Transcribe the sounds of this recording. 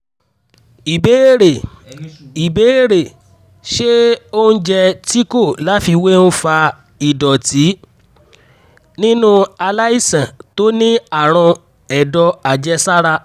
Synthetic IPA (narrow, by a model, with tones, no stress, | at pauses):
i˨be˨˦e˦˨ɾe˨ | i˨be˨˦e˦ɾe˨ | ʃe˦o˦n̩˦d͡ʒɛ˧ti˦ko˦˨la˨˦fi˧we˦ñ̩˦fa˧ | i˨dɔ˨ti˨˦ | nĩ˦nũ˦a˧la˦i˦˨sã˨to˦nĩ˦a˦˨ɾ̃ɔ̃˧ | ɛ˨dɔ˧a˨d͡ʒɛ˦sa˦ɾa˧